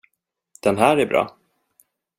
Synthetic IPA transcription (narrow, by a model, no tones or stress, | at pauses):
d̪̥ɛnɦæːɾæɾbɾɑ̰ː